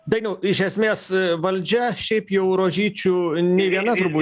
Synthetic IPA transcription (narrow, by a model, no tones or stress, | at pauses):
d̪ɐɪnʊɪʃ̬ʲɛsʲmʲeːsʋɐlʲd͡ʒʲɛʃʲɛɪpjɛʊɾoːʒʲiːt͡ʃʲunʲɛɪʋʲiɛnɐt̪ʊɾbuː